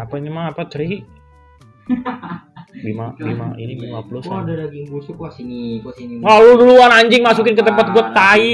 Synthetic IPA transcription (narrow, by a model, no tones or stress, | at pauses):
apaɲamaŋapat̪əɾi | bimabima̰ḭnibimaplʊsddaɡiŋɡusuka | ŋaludluanaɲd͡ʒɪŋmasukɪnkət̪əmpat̪̚ɡuət̪ːai